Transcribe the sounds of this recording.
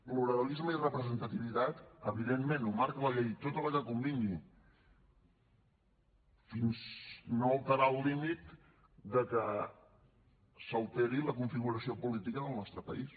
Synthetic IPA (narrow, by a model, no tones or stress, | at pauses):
pluɾəlizməirəpɾəzənt̪ət̪iβit̪at̪əβiðemːenumaɾkələʎejt̪ot̪əlˠəkəkumbini | finznoəlˠt̪əɾalˠlimit̪ | d̪əkə | səlˠt̪eɾiləkuɱfiɣuɾəsiopulit̪ikəðəlˠnɔst̪ɾəpə̰is